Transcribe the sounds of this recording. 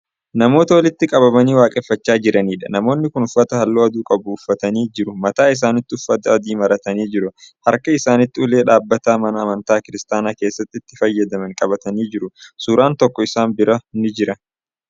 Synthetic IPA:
nɐmo̞ːt̪ɐwɐlɪt̪ːɪkʼɐβɐbɐniːwaːkʼɛfːɐt͡ʃːaːd͡ʒɪɾɐniːᶑɐ̰nɐmo̞ːnːɪkʊnʊfːɐt̪ɐhɐlːoːɐd̪uːkʼɐbʊːfːɐt̪ɐniːd͡ʒɪɾʊmɐt̪aːɪs̬aːnɪt̪ːɪʊfːɐt̪ɐɔd̪iːmɐɾɐt̪ɐniːd͡ʒɪɾʊhɐɾkɐɪsaːnɪt̪ːɪʊle̞ːᶑaːbːɐt̪aːmɐnɐːmɐnt̪aːkɪɾɪst̪aːnaːke̞ːsːɐt̪ːɪɪt̪ːɪfɐjːɐd̪ɐmɐŋkʼɐbɐt̪ɐniːd͡ʒɪɾʊsuːɾaːnt̪ɔkːɔɪsaːnbɪɾɐnɪd͡ʒɪɾɐ

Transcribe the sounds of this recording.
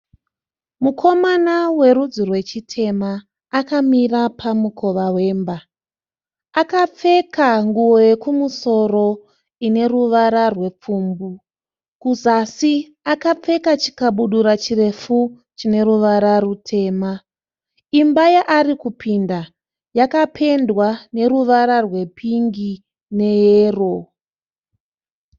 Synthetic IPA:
mukʰo̞manawe̞ɾud͡zirwe̞t͡ʃitʰe̞maː | kamirapʰamukʰo̞ʋawe̞ːmba | akap͡fe̞kaŋɡuwojekumuso̞ro̞ | ine̞ruʋaɾarwe̞p͡fuːmbu | kuzasi | akap͡fe̞kat͡ʃi̥kaɓuɗuɾat͡ʃire̞fu | t͡ʃine̞ɾuʋaɾarutʰe̞ːma | imbajaʔarikupʰinda | jakapʰe̞ndwane̞ruʋaɾarwe̞pʰiŋɡi | ne̞jeːro̞

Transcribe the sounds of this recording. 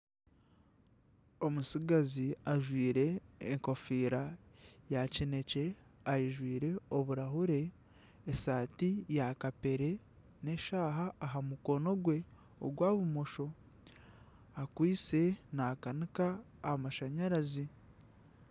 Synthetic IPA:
o̞musiɡaziaʒwiːɾe̞ːŋko̞fiːɾajacine̞ce̞ajiʒwiːɾe̞oβuɾaɦuɾe̞ː | saːtijakape̞ɾe̞ | ne̞ʃaːɦaːɦamuko̞no̞ɡwe̞ | o̰ɡwaːβumo̞ʃo̞ | akwiːse̞naːkanikaː | amaʃaɲaɾazi

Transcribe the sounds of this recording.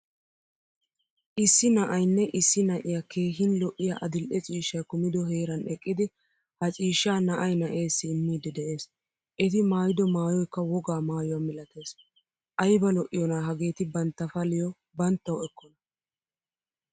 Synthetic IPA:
ʔɪsːɪnɐʔɐjnːɛʔɪsːɪnɐʔɪjake̞ːxɪnlɔʔɪjaʔɐd̪ɪlʔɛt͡ʃʼiːʃːɐjkʊmɪd̪ɔɦe̞ːɾɐnɛkʼːɪd̪ɪ | hɐt͡ʃʼiːʃːaːnɐʔɐjnɐʔe̞ːsːɪːmːiːd̪ɪd̪ɛʔe̞ːs | ʔɛt̪ɪmaːjɪd̪ɔmaːjɔjkːɐwɔɡaːmaːjʊwamɪlɐt̪e̞ːs | ʔɐjbɐlɔʔɪjɔnaːɦɐɡe̞ːt̪ɪbɐnt̪ːɐfɐlɪjɔ | bɐnt̪ːɐwɛkːɔnɐ

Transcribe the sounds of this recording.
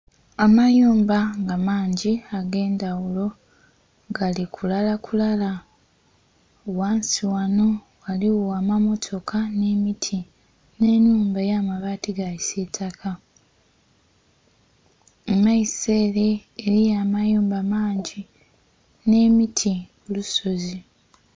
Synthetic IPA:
amajuːmbaŋɡamaːɲɟiaɡe̞ːndawulo̞ | ɡalikʰulalakulala | owaːnsiwano̞ | ɣaliwaːmamo̞tʰo̞kane̞mitʰi | ne̞nuːmbajaːmaβaːtiɡaisetʰakʰa | emaise̞ːɾeːɾijaːmajuːmbamaːɲɟi | ne̞mitʰi | uluso̞zi

